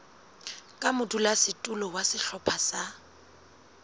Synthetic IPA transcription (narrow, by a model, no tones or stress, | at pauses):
kʼamʊdulasɪtʼʊlɔwasɪɬɔpʰasa